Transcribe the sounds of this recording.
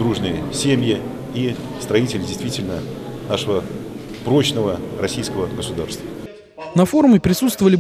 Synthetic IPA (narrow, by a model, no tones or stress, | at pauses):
d̪ɾuʐnɨjəsʲemʲjɪ | i | st̪ɾɐitʲɪlʲɪdʲɪjst̪vʲitʲɪlʲnə | naʂəvə | pɾo̞t͡ɕnəvərɐsʲijskəvəɡəsʊd̪a̰rst̪və | nɐfo̞ɾmʲɪpɾʲɪsut̪st̪vəvəlʲɪ